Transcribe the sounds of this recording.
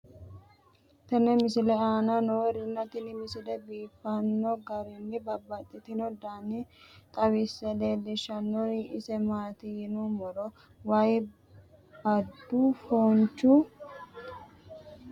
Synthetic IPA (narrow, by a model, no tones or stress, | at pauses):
t̪ɐnɛmɪsɪlɛaːnanɔwɛɾɪnːɐt̪ɪnɪmɪsɪlɛbiːfːɐnːɔɡɐɾɪnːɪbɐbːɐt̪ʼːɪt̪ɪnɔd̪aːnɪt̪ʼɐwɪsːɛleːdɪʃɐnːɔʔɪsɛmaːt̪ɪjɪnumɔɾɔ | wɐj | ɐd̪ːufoːnt͡ʃːu